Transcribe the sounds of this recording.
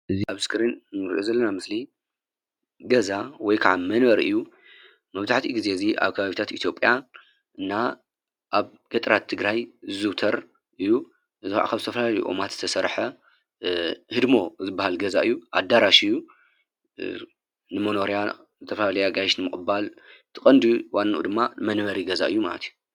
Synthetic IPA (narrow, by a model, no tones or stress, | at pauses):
ʔɨziʔaβskʰɨɾinnɨɾḭʔozɐlːɐnamɨsli | ɡɐzawɔjkʰaʕamɐnβɐɾʔɨ̰jːu | mɐβzaħt̪ʰiɡize̞ziʔa̰βkʰɐβaβit̪ʰat̪it̪ʰjo̞pʼja | ʔɨnːa | ʔaβ | ɡ̥ɐt̪ʼɾat̪ʰːɨɡɾajɨzɨwt̪ʰɐɾ | ʔɨjːu | ʔɨzɨʕa̰kʰaβzɨt̪ʰɐfɐlalɐjuʔo̰mat̪z̥ɨt̪ʰɐsɐɾħɐ | hɨd̪mo̞zɨbːahalɡɐzaʔɨjːuʔa̰d̪aɾaʃɨjːu | nɨmonoɾja | zɨt̪ʰɐfɐlalɐjaɡajʃnɨmɨkʼɨbalt̪ʰɨkʼɐnd̪uwanːʔṵd̪ɨmːamɐnβɐɾiɡɐza̰ʔɨjːumalɐt̪ʰiju̥